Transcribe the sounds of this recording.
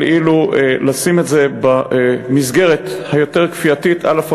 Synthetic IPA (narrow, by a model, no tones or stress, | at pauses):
lʔilulasimetzebamizɡe̞ʁethajo̞teʁkfiatitalaf